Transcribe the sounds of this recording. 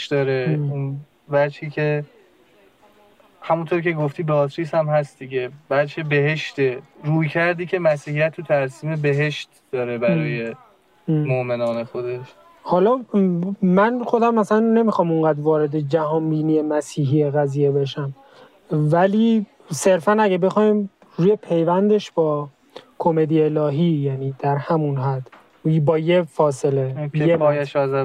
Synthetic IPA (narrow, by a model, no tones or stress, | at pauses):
d̪ɒːɾeun | væɾd͡ʒhiːcʰe | hæmunt̪ʰoːɾkcʰe̞ɡoft̪iːbeɒːt̪ɾisæmhæst̪d̪iɟe̞bæd̪t͡ʃʰebe̞ɦe̞ʃt̪eɾuːjcʰæɾd̪iːcʰe̞mæsiːhijæt̪ʰːut̪ʰæɾsiːmebe̞ɦe̞ʃt̪d̪̥ɒːɾebæɾɒːje̞ | moʔme̞nɒːne̞xo̞d̪e̞ʃ | hɒlɒː | mænxo̞d̪æmːæsælænːe̞mixɒːmuŋɡæːd̪vɒːɾe̞d̪ed͡ʒæhɒːmbiːnijemæsiːɦiːeɣæziːje̞beʃæm | væliː | se̞ɾfænæɟæbe̞xɒːim | ɾuːje̞pʰe̞jvænd̪e̞ʃb̥ɒː | kʰome̞d̪ijelɒːɦiːjæniːd̪̥æɾhæmunɦæd̪̥ | bɒːjefɒːse̞lejejæʃɒːzæ